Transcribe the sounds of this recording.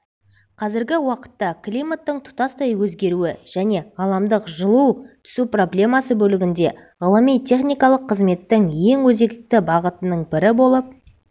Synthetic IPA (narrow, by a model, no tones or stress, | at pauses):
qʰɑzɪɾɡʲɪwɑqə̥t̪ːɑklʲijmat̪ːəɴt̪ʰʊ̥t̪ɑst̪ɑjwɵzɡʲe̞ɾuɪʒ̥æne̞ʁɑlˠɑmd̪əqʒəlˠuwt̪ʰʏ̥supro̞blʲe̞mɑsəbɵlɪɡʲɪnd̪e̞ | ʁəlˠəmijt̪ʲʰe̞χnijkɑlˠəqʰːəzme̞t̪ːɪŋje̞ŋwɵze̞k̪ɪk̚t̪ɪbɑʁət̪ənəɴbɪɾɪbo̞lˠəp̚